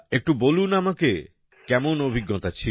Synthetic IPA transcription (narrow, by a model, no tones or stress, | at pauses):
ek̚ʈubolunamake | kɛmonobʱiɡːɔt̪at͡ɕʰi